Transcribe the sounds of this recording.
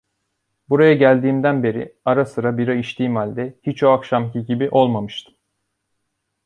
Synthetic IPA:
buɾajaɟælʲd̪iːmd̪ænbe̞ɾḭaɾasɯɾabiɾaiʃt̪ʰiːmhalʲd̪ɛhit͡ʃo̞akʃamcʰiɟibiʔo̞lˠmamɯʃt̪ʰɯ̥m

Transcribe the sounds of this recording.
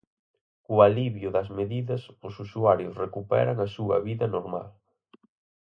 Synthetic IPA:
kualiβjʊðɐzmeðiðɐsʊsusuaɾjʊsrekupɛ̰ɾɐŋɐsuɐ̰βiðɐnoɾma̰l

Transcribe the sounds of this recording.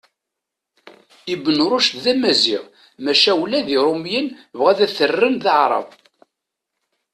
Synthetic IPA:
ibːənɾˤʊʃt̪ðæmæzḭʁ | mæʃæwlæðiɾˤomjənvʁæðæθərːənðɑʕɾˤɑ̰v

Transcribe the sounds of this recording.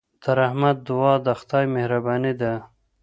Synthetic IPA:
d̪̥aɾahmad̪ːʊwɑːd̪axt̪ɑjmehɾabɑːnid̪a

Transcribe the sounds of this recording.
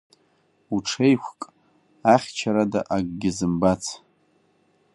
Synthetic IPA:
uʈ͡ʂʰejkʷʰkʼ | aχʲt͡ʃʰaɾada̰ʔaɡɡʲɪzɨmbat͡sʰ

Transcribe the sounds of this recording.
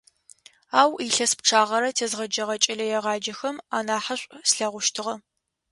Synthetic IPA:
aːwiɬɐsp̚ʈ͡ʂʰaːʁɐɾɐtʰeːzʁɐd͡ʒɐʁɐt͡ʃʼɐɮɐjɛʁɑːd͡ʒɐxɐmaːnaːħɐɕʷʼsɬɐʁʷʊʃtʰɨʁɐ

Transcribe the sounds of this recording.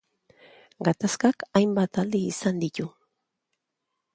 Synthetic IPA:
ɡat̪askakajmbat̪ald̪iːsand̪icu

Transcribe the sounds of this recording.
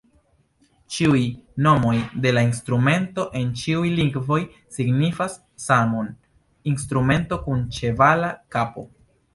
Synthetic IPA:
t͡ʃiujno̞mo̞jde̞lainstɾume̞nto̞ʔe̞nt͡ʃiujliŋɡvo̞j | siɡnifasː | aŋon | instɾume̞nto̞kunt͡ʃe̞valakapo̞̰

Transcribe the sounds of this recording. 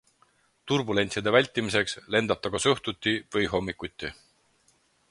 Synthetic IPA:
t̪urbule̞nʲt̪siɑd̪e̞vælʲt̪ʲːˑimise̞ksle̞nd̪ɑp̚t̪ɑɡ̥ɑsɤht̪ut̪ʲːivɤjɦo̞mːikːut̪ʲːˑi

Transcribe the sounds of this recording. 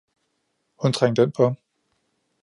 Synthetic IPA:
hunt͡sʰʁaŋ̰d̥enpʰɒ

